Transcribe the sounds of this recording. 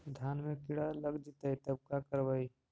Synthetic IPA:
d̪ʱaːnmẽkɪɽaləɡd͡ʒit̪ait̪ɐb̚kakəɾʋai

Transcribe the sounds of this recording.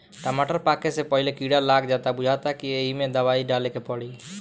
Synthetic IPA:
ʈəmaʈəɾpakesepəɦilekiɽalakʰd͡ʒat̪abud͡ʒʱat̪akieɦimẽd̪əbaiɖalekepəɽi

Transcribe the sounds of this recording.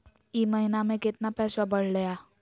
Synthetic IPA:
iːmɐɦɪnamẽkɪt̪napɛːsabɐɽ̤lɐjaː

